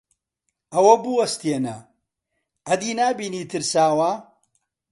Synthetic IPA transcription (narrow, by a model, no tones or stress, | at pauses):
ɐwɐbuwɐst̪enɐ | ʔɐd̪iːnaːbiːniːt̪ʰɨɾsaːwa